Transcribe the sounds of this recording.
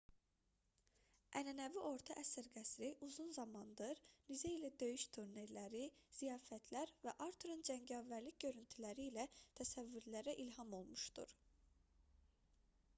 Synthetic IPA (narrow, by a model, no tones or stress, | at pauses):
ʔænænæviʔo̞ɾt̪ʰɑʔæsæɾɡæsɾiʔuzunzɑmɑnd̪ɯɾnizeilæd̪ø̞jyʃt̪ʰuɾne̞ɾlæɾiz̥ijɑːfæt̪ʰlæɾvæʔɑɾt̪ʰuɾund͡ʒæŋɟɑvæɾlicɟø̞ɾynt̪ʰylæɾiːlæt̪ʰæsævːyɾlæɾæʔilhɑmo̞lˠmuʃd̪̥ṵɾ̥